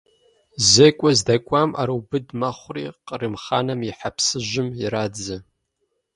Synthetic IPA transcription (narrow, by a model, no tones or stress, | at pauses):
zekʷʼazdakʷʼama̰ɾuwbɨdmaχʷrḭqʼrɨmχa̰namiħapʰsɨʒʷɪmiɾad͡za